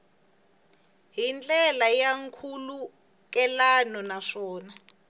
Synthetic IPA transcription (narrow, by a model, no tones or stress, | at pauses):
ɦind͡ɮʼɛlajaŋkʰulu | k̬ʼɛlanɔnaʂɔːna